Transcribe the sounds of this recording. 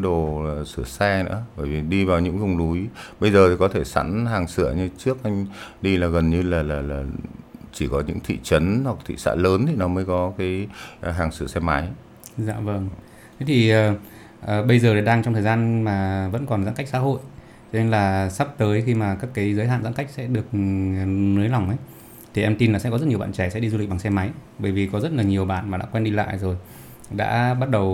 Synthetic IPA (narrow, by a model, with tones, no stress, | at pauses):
ɗo˨˩˨sɨ˧˩əsɛ˧nɨ̰˧˥əɓəː˧˩jvi˨˩ɗi˧vaː˨˩wɲɨ̰˧˥ŋkə˧wŋ͡mlu˨˦jɓə˧jzəː˨˩i˨˩kɔ˨˦t̪ʰe˧˩sa̰˧˥nɦaː˨˩ŋsɨ̰˧˩˨əɲɨ˧t͡ɕɨ˦˥ək̚ʔa˧jŋ̟ɗi˧laː˨˩ɣə˨˩nɲɨ˧laː˨˩laː˨˩laː˨˩t͡ɕi˧˩kɔ˨˦ɲɨ̰˧˥ŋt̪ʰḭ˧˨t͡ɕə˨˦nhwa˨˩k̚t̪ʰḭ˧˨sa̰ː˧˥ləː˨˦nt̪ʰi˨˩nɔ˨˦məː˨˦jkɔ˨˦kaː˨˦jɦaː˨˩ŋsɨ̰˧˩əsɛ˧ma˨˦j | za̰ː˧˨və˧˩ŋ | t̪ʰa˨˦jt̪ʰi˨˩ʔəː˨˩ | ʔəː˨˩ɓə˧jzəː˨˩ɾe˨˩ɗaː˧ŋt͡ɕɔ˧ŋ͡mt̪ʰəː˨˩zaː˧nmaː˨˩və̰˧˥nkɔ˨˩nza̰˧˥ka˦˥k̚sa̰˧˥ɦo̰˧˨j | t͡ɕɔ˧ne˧nlaː˨˩sa˦˥p̚t̪əː˨˦jxi˧maː˨˩kaː˦˥kːaː˨˦jzəː˨˦jɦa̰ː˧˨nza̰˧˥ka˦˥jk̟̚sɛ̰˧˥ɗɨ˨˩ək̚ | nɨ˨˦jla˨˩wŋ͡mʔə˨˦j | t̪ʰi˨˩ʔɛ˧mt̪i˧nlaː˨˩sɛ̰˧˥kɔ˦zə˦˥t̚ɲ˨˩ɓ̰ːt͡ɕɛ˧˩sɛ̰˧˥ɗi˧zu˧lk̚ɓa˨˩ŋsɛ˧ma˨˦j | ɓəː˧˩jvi˨˩kɔ˨˦zə˦˥t̚laː˨˩ɲi˨˩əwɓa̰ː˧˨nmaː˨˩ɗa̰ː˧˥kwɛ˧nɗi˧la̰ː˧˨jzo˨˩j | ɗa̰ː˧˥ɓa˦˥t̚ɗə˨˩w